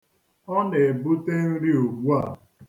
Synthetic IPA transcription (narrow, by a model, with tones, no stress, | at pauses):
ɔ˦ne˨bu˦te˦n̩˦ɾi˦o˨ɡ͡bu˦a˦˨